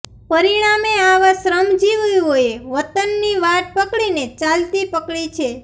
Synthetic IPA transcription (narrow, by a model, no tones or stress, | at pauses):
pəɾiɽ̃ameaʋasɾəmd͡ʒiʋjɦojeʋət̪ənːiʋaʈ̚pəkɭinet͡ʃalt̪ipəkɭit͡ʃʰe